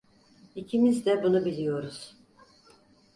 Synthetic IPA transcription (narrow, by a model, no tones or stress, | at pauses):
icʰimizd̪ɛbunubilʲijo̞ɾuz̥